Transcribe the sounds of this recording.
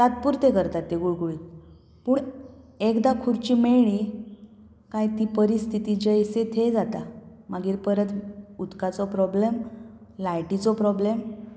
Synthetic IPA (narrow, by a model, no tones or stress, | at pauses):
t̪at̪̚puɾt̪ekəɾt̪at̪ːeɡuɭɡoit̪ | puːɳekd̪akʰuɽt͡ɕimeɭɽi | kajt̪ipəɾist̪ʰit̪id͡ʑəjset̪ʰed͡zat̪amaɡiːɾpəɾət̪ut̪kat͡sɔpɾɔblemlajʈit͡sɔpɾɔblem